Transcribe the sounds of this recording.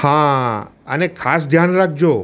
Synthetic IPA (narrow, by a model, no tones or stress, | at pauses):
hãə̰nekʰas̬d̪ʱjanɾak̚d͡ʒo